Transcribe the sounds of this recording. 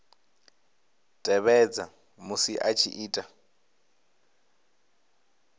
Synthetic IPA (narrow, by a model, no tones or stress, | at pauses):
tʼɛβɛd͡za | musiʔat͡ʃʰiʔiːtʼa